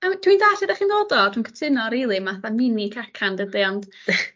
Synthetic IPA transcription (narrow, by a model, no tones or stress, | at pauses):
əmtʰwiːndaːtʰədaχiːndodɔtʰwinkʰə̥tʰɪnɔɾiːlˠimaθamɪnikʰakʰandədiɔnd̥